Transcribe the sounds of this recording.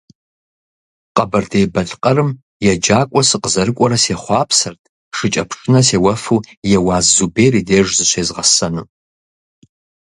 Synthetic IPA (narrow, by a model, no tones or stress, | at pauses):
qʼɐbɐrdejbɐɮqʼɐɾɨm | jɛd͡ʒaːkʷʼɔsɨqəzɐɾɨkʷʼɔɾɐseːχʷɑːpʰsɐrtʰʼ | ʂɨt͡ʃʼɐpʰʂʼɨnɐseːwɐfujɛwaːzːubejrideːʐzɨɕʷʰeːzʁɐsɐnɨ